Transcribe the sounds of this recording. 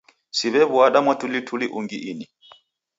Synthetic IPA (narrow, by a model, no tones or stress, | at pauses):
siβɛβuaɗamwatʰulitʰuliʔuŋɡiʔini